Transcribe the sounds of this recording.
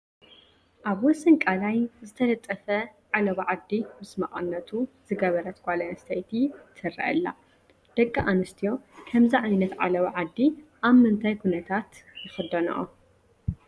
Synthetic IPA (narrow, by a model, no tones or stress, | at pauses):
ʔaβwɔsɨnkʼalajzɨt̪ʰɐlɐt̪ʼːɐfɐʕalɐβɐʕad̪ːimɨsmɐχʼɐ̰nːɐt̪ʰuzɨɡɐβɐɾɐt̪kʷʼalɐɐst̪ʰɐjt̪ʰit̪ʰɨɾɐ̰ʔɨ̰lːa̰ | d̪̥ɐkʼːaʔanɨst̪ʰijo̞kʰɐmziʕajnɐt̪ʕa̰lɐβɐʕad̪ːiʔaβmɨnt̪ʰajkʰunɐt̪ʰat̪jɪxɨd̪ɐn̰ʔo̰